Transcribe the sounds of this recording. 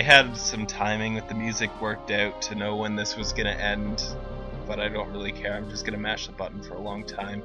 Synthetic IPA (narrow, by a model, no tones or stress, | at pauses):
ɪɨdsʌ̃mtʰãɪ̃mɪ̃ŋwɨðɨmjʉzɨkʰwɜ˞k̚taʊtʰɨnoʊwə̃nðɪswʌzɡʌɾ̃ɨ̰ʔɛ̃nd | b̥ʌɾaɪdõʊ̃nt̚ɹɪlˠikʰɛɹãɪ̃md͡ʒʌsɡ̥ʌnɨmæt͡ʃðəbʌʔn̩fə˞əlɔ̃ŋtʰãɪ̃m